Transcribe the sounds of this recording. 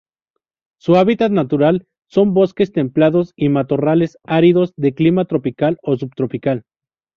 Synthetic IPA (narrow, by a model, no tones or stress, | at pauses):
suaβit̪at̪nat̪uɾal | so̞mbo̞ske̞st̪e̞mplaðo̞simat̪o̞rale̞saɾiðo̞zðe̞klimat̪ɾo̞pikalo̞s̬ubt̪ɾo̞pikal